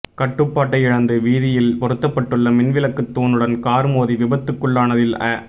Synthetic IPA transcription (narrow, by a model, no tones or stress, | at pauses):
kɐʈːɯpːaːʈːɐɪɪɻɐnd̪ɯʋiːðɪjɪlpɔɾɯt̪ːɐpːɐʈːɯɭːɐmɪnʋɪlɐkːɯt̪ːoːnɯɽɐnkaːɾɯmoːðiʋɪbɐt̪ːɯkːɯɭːaːnɐðɪlɐ